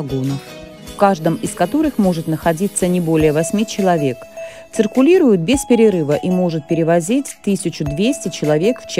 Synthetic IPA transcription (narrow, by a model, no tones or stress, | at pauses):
ɡonəf | fkaʐd̪əmɪskɐt̪o̞ɾɨxmo̞ʐɨt̪nəxɐdʲit̪sːənʲɪbo̞lʲɪjəvɐsʲmʲit͡ɕɪlˠɐvʲe̞k | t̪sɨrkʊlʲiɾʊjʊt̪̚bʲespʲɪɾʲɪɾɨvəʔimo̞ʐɨt̪̚pʲɪɾʲɪvɐzʲitʲt̪ɨsʲɪt͡ɕʊd̪vʲesʲtʲɪt͡ɕɪlˠɐvʲe̞kft͡ɕ